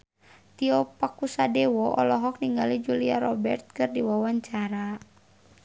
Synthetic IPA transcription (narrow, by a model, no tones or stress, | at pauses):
t̪iɔpakusadɛwɔʔɔ̰lɔɦɔk̚niŋɡalid͡ʒulia̰ɾɔbɛrt̪̚kɨrdiwawaɲt͡ʃaɾa